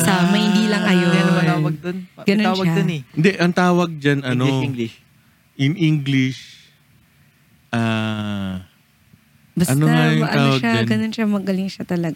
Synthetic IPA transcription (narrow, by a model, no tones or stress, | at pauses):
sɐmɐjhɪnd̪iːlɐŋʔɐjoɐaːwɐɡ̚d̪onɡ̥ɐnoaːwɐɡ̪onɛɪnd̪ɛʔɐŋt̪aːwɐɡ̚d͡ʒanɐnoɡlɪʃ | ʔɪŋʔiŋɡlɪʃ | ʔa | bɐsɐnoŋajʊŋʔɐaːowɐɡʃad͡ʒ̪ɡɐnonʃamɐɡɐlɪŋʃɐt̪ɐlɐɡa